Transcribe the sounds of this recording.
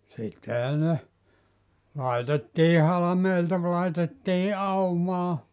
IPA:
sitːehæ ne lɑitetːiː hɑlɑmeiltɑ ʋ lɑitetːiː ɑumɑː

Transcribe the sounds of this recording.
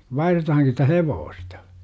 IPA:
ʋɑihretɑhɑŋki sitæ heʋoːstɑ

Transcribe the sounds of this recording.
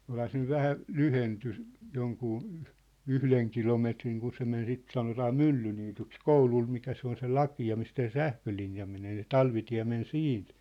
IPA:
olhɑ se nyʋ ʋæhæ lyhenty joŋkuː yhleŋ kilometriŋ kun se men sit sɑnotɑː mylːyniːtyks koulul mikæ se on se lɑkiɑ mistæ se sæhkølinjɑ meneː se tɑlʋitiæ̝ men siːnt

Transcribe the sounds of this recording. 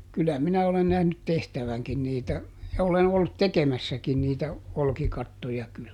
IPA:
kylæ minæ olen næhnyt tehtæʋæŋkin niːtæ jɑ olen olːut tekemæsːækin niːtæ olkikɑtːojɑ kyl

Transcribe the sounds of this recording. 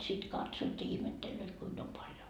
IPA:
sit kɑtsoːt jɑ ihmetːelːøːt kuim om pɑljo

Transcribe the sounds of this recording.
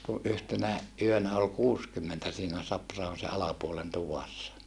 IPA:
ku ʔyhtenæ ʔyønæ ol kuːskymːentæ siːnæ sɑprɑhon se ɑlɑpuolen tuʋɑsːɑ

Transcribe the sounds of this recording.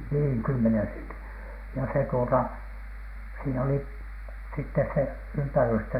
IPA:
niːŋ kymːenen sentin jɑ se tuotɑ siːn oli sitːes se ympærystæ

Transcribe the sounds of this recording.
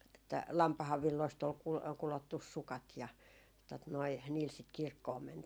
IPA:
etːæ lɑmpɑhɑʋ ʋilːoist ol kul kulotːus sukɑt jɑ tot noi niːl sit kirkːoːm mæntiː

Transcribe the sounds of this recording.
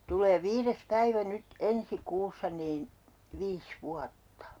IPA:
tulˑeː ʋiːres pæiʋæ nyt ensi kuːsːɑ niːn ʋiːs ʋuɑtːɑ

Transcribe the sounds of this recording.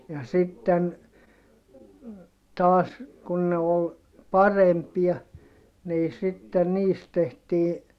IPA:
jɑ sitːen tɑːs kun ne ol pɑrempiɑ niː sitːen niːst tehtiː

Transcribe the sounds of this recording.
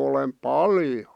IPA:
olem pɑljo

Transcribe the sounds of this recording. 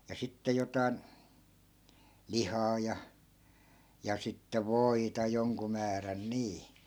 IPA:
jɑ sitːe jotɑi̯n lihɑː jɑ jɑ sitːe ʋoitɑ joŋku mæːræn niː

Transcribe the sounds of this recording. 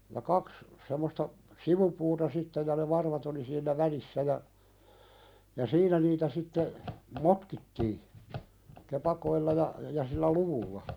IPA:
jɑ kɑks semːostɑ siʋupuːtɑ sitːe jɑ ne ʋɑrʋɑt oli siːnːæ ʋælisːæ jɑ jɑ siːnæ niːtæ sitːe motkitːiː kepɑkoilːɑ jɑ jɑ silːæ luʋulːɑ

